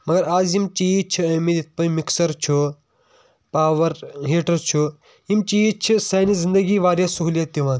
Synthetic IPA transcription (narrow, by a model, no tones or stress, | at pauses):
mɐɡɐɾaːzimt͡ʃit͡ʃʰiɐmid̪it̪̚pɐ̃jmiksɐɾt͡ʃʰu | paːʋɐɾɦeːʈɐɾt͡ʃʰu | imt͡ʃiːt͡ʃʰisɐjnizĩnd̪əɡiːʋaːɾjasuɦljat̪ːiʋãːn